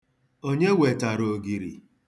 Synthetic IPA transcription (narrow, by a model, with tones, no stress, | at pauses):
o˦ɲe˦we˨ta˨ɾo˨ɡi˨ɾḭ˨